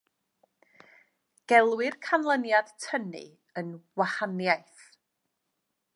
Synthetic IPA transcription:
ɡ̥ɛlˠwɪrkʰanlˠənjad̥tʰənɨ̰ | ənwahanjajθ

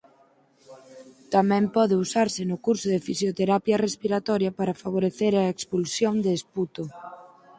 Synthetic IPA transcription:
t̪amɛ̃mpɔðɪusaɾsɪnʊkuɾsʊðɪfisjot̪eɾapjɐrespiɾat̪ɔɾjɐpaɾɐfaβ̞oɾeθeɾɐekspulsjond̪eːsput̪o

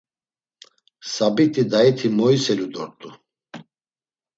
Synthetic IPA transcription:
sabit̪ʰʼid̪ait̪ʰimɔisɛlud̪ɔɾt̪ʼu

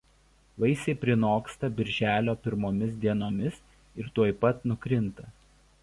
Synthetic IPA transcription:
ʋɐɪsʲɛɪpʲɾʲɪnoːkst̪ɐbʲɪɾʲʒʲæːlʲoːpʲɪɾmoːmʲɪsd̪ʲiɛnoːmʲɪs | ɪɾt̪uɔjpɐt̪nʊkɾʲɪnt̪ɐ

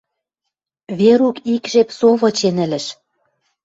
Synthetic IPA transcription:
βeɾukikʒepsoβɤ̆t͡ɕenɘ̆lɘ̆ʃ

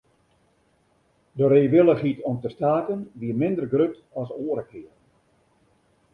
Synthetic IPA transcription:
dəɾeːʋɪlˠəχitʰɔmtəstaːtənʋiəmɪndərɡrøt | ɔsoəɾəkɪər

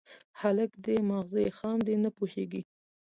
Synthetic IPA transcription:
haləkd̪emaɣzexɑmd̪enəpuheɡi

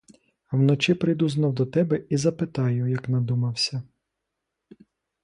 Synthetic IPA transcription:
wnɔt͡ʃɪpɾɪjd̪uznɐwd̪ɔt̪ɛbɛizɐpɪt̪ɑjʊjɐknɐd̪umɐwsʲɐ

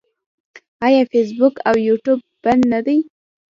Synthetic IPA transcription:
ɑjɑfes̬bʊkawjuʈub̚ | bannad̪aj

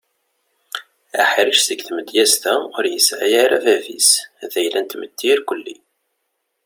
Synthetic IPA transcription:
æ̰ħiɾəʃθəɡθməd̪jæst̪æʁʊɾjəsʕa̰jaɾævævḭsðæjlænt̪mət̪ːiɾkʷəlːḭ

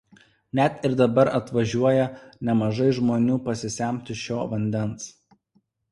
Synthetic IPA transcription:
nʲɛt̪ɪɾd̪ɐbɐɾɐt̪ʋɐʒʲuɔjɛnʲɛmɐʒɐɪʒmoːnʲuːpɐsʲɪsʲæˑmʲt̪ʲɪʃʲoːʋɐnʲd̪ʲɛns

